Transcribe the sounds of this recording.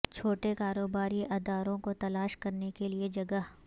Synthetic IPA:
t͡ʃʰoːʈekaːɾoːbaːɾiʔɐd̪aːɾõkot̪ɐlaːʃkɐɾnekelied͡ʒɐɡəɦ

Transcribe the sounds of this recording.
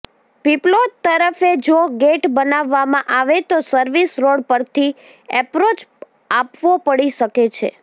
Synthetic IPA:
piplot̪̚t̪ːəɾəfed͡ʒoɡeʈbənaʋːamãʔaʋet̪osəɾʋisɾoɽpəɾt̪ʰi | ɛpɾot͡ʃ | apʋopəɽiʃəket͡ʃʰḛ

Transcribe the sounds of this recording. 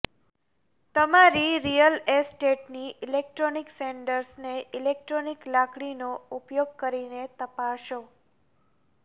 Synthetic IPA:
t̪əmaɾiɾijəlesʈeʈniʔilek̚ʈɾonikseɳɖəɾsneʔɪlek̚ʈɾoniklakɽinoupjoɡ̚kəɾinet̪əpaʃo

